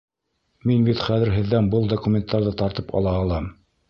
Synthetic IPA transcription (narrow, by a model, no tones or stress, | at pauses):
minbit̪χæðɘɾɦɘ̆ðːænbɤlˠd̪okumʲent̪ːɑɾðɤt̪ɑɾt̪ɤpɑ̰lˠɑːlˠɑm